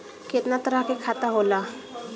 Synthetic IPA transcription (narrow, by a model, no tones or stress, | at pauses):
ket̪nat̪əɾəɦkekʰaːt̪aɦoːla